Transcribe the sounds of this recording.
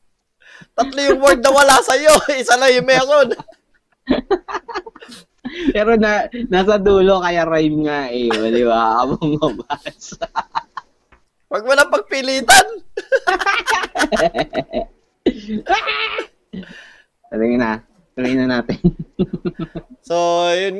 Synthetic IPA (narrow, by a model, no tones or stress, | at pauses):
t̪ɐt̪lojʊŋwɛɹd̪̚nɐwɐlasɐjo̞ɪsalɐjʊŋmɛːɾon | pɛːɾonanaːsɐd̪uːlokɐjaɾajmŋaʔɛwɐlɪwaːʔɐmoŋɐbas | wɐɡ̚mʊnɐpɐɡ̚pɪliːt̪an | tɐlɪŋna | t̪ɐlɪŋnɐnaːt̪ɛn | sojʊn